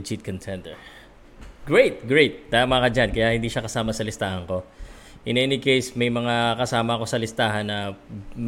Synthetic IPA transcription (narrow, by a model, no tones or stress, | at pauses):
t͡ʃit̪̚kʰɐnt̪ʰɛnd̪ɛ | ɡ̥ɹejt̪̚ɡɹejt̪̚d̪̥aːmakɐd͡ʒankɐjahɪnd̪iːʃɐkɐsaːmɐsɐlɪst̪aːhɐŋko̞ | ʔɪnʔɛːnɪkejsmɐjmɐŋakɐsaːmɐɐko̞sɐlɪst̪aːɦɐnːɐm